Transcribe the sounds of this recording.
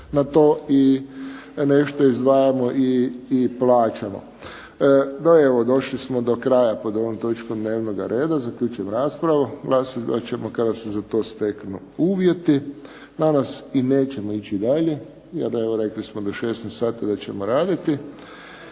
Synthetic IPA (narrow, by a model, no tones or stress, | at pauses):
nat̪oːi | ne̞ʃt̪o̞izd̪ʋaːjamoʔiːplaːt͡ʃamo̰ | d̪aeʋod̪o̞ʃlismod̪o̞kɾaːjapo̞d̪o̞ʋomt̪o̞t͡ʃkomd̪neːʋnoɡa̰ɾʔe̞ːd̪azakʎut͡ʃujemɾaːspɾaʋuɡlˠaːsaa̰t͡ɕemokad̪asezat̪o̞ːst̪e̞knu | uːʋje̞t̪i | nanasineːt͡ɕemoit͡ɕid̪aʎe | jḛɾeʋoɾe̞klismod̪oʃeːsnest̪saːt̪id̪at͡ɕe̞moɾaːd̪it̪i